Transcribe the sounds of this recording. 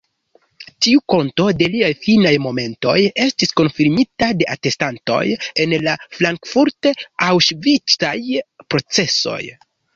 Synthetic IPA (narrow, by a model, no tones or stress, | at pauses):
tiuko̞nto̞de̞liajfinajmo̞me̞nto̞̰je̞stisko̞nfiɾmitade̞ʔate̞stanto̞̰je̞nlaflaŋkfuɾteawʃvit͡sajpɾo̞t͡se̞so̞̰j